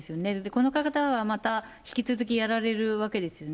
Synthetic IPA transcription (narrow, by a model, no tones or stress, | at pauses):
sɨjo̞ne̞d̪eko̞no̞kakat̪aɡamat̪açi̥kʲit͡sɨzɨkʲijaɾaɾe̞ɾɯ̟βake̞d̪e̞sɨjo̞n